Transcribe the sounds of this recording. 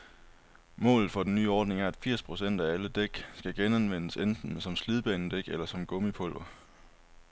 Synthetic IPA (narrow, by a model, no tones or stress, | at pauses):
mɔ̰̽ːlð̩ˠfɒ̽d̥enːy̰ːɒːd̥ne̝ŋæɐæd̥fiɐ̰spʰʁo̝sen̰d̥ææləd̥eɡ̥sɡ̥æɡ̥enænʋen̰əsend̥n̩sɒ̽msliðˠb̥ɛ̰ːnəd̥eɡ̥elɐsɒ̽mɡ̥ɔ̽məpʰɔ̽l̰ʋɐ